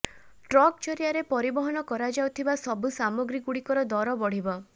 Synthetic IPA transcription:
ʈɾɔk̚t͡ʃɔɾijaɾepɔɾibɔɦɔnɔkɔɾad͡ʒawt̪ʰibasɔbusamɔɡɾikuɽikɔɾɔd̪ɔɾɔbɔɽ̤ibɔ

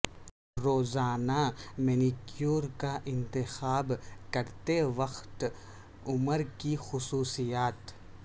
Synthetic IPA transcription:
ɾoːzaːnamɪnikjuːɾkaʔɪ̃nt̪ɪxaːbkɐɾt̪eʋɐxt̪ | ʊməɾkixʊsuːsijaːt̪

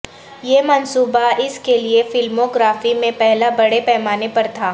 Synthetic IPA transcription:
jeːmɐnsuːbaɪskeliefɪlmoɡɾaːfimẽpɛɦlabɐɽepɛɦmaːnepɐɾt̪ʰaː

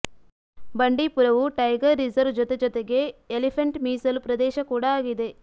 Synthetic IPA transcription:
bɐɳɖipuɾɐʋuʈɐjɡɐɾːizɐɾʋd͡ʒɔt̪ed͡ʒɔt̪eɡe̞ːlipʰɐɳʈmiːsɐlupɾɐd̪ɛːʃɐkuːɽaaːɡid̪e̞

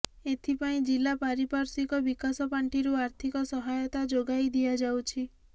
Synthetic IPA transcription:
et̪ʰipaĩd͡ʒilːapaɾipaɾsikɔbikasɔpaɳʈiɾuaɾt̪ʰikɔsɔɦajɔt̪ad͡ʒoɡajd̪iad͡ʒawt͡ʃʰi

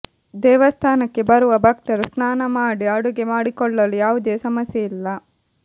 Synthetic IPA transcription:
d̪ɛːʋɐst̪ʰaːnɐkːe̞bɐɾuʋɐbʱɐk̚t̪ɐɾusnaːnɐmaːɽiɐɽuɡe̞maːɽikɔɭːɐlujaːʋud̪e̞ːsɐmɐsjeilːɐ

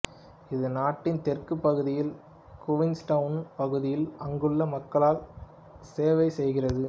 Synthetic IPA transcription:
ɪðɯnaːʈːɪnt̪ɛrkɯpːɐɣɯðɪjɪl | kʊʋɪŋsʈɐʋɯnpɐɣɯðɪjɪlɐŋɡɯɭːɐmɐkːɐɭaːl | seːʋɐɪsɛjɣɪrɐðɯ

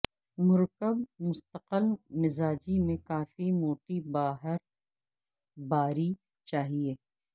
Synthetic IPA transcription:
mʊɾkəbmʊst̪əqəlmɪzaːd͡ʒimẽkaːfimoːʈibaːɦəɾ | baːɾi | t͡ʃaːɦieː

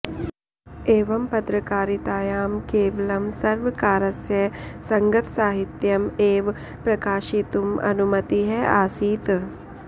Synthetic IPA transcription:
eːʋɐmpɐt̪ɾɐkaːɾit̪aːjaːmkeːʋɐlɐmsɐɾʋɐkaːɾɐsjɐsɐŋɡɐt̪saːɦit̪jɐmeːʋ | pɾɐkaːʃit̪umɐ̰numɐt̪iɦɛa̰ːsiːt̪

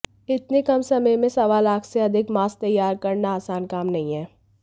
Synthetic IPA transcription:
ɪt̪nekɐmsɐməjmẽsɐʋaːlaːkseɐd̪ʱɪkmaːst̪ɐjːaːɾkɐɾnaaːsaːnkaːmnɐɦĩɦɛː

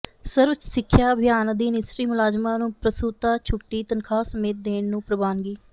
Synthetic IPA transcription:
səɾʋət͡ʃsɪkʰːjaːbʱjaːnd̪iːnɪsɾiːmʊlaːd͡ʒmãːnũːpɾəsuːt̪aːt͡ʃʰʊʈːiːt̪ənkʰaːsəmeːt̪̚d̪eːɳnũːpɾəbaːnɡiː

